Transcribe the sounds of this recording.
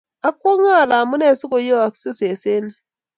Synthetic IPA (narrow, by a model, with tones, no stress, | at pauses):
a˦kːo˦ŋa˦˨la˨mu˦ne˦˨su˦ko˨jo˦a˨ksi˦se˨se˦n˨